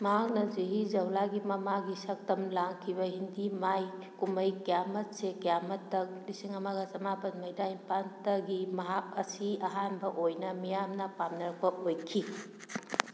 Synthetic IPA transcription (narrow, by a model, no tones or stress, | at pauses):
mɐɦak̚nɐziɦizɐwlaɡimɐmaɡisɐk̚tɐmlaŋkʰiβɐhindimaj | kumɐjkjamɐt̚sekjamɐtːɐk̚lisiŋɐmaɡɐsɐmapɐt̚mɐjdainpantɐɡimɐɦak̚ɐsiɐɦanbɐʔojnɐmijamnɐpamnɐɾɐk̚pɐʔojkʰi